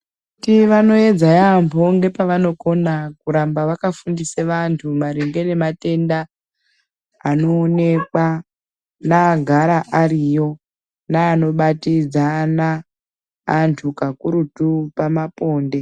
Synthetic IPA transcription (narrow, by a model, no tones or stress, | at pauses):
utiʋano̞e̞d͡zajampʰo̞ŋɡe̞paʋano̞ko̞nakuɾambaʋakafundiseʋantʰumaɾiŋɡe̞ne̞mate̞nda | no̞ːne̞kwa | naɡʱaɾaʔaɾijo̞ | naːno̞ɓatid͡zanaː | ntʰukakuɾutupamapo̞ːnde̞